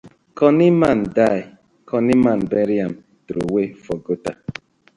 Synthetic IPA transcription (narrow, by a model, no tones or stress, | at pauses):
kɔnimandaj | kʰɔnimanbeɾjam | tɾowefɔɡota